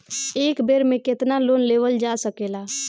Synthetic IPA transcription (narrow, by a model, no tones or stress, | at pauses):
eːkbeɾmẽket̪nalonleʋəld͡ʒasəkela